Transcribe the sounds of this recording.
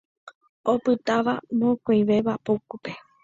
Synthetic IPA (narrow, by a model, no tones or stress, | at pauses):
opɨt̪aʋamokoj̃ʋe̞ʋapokupe̞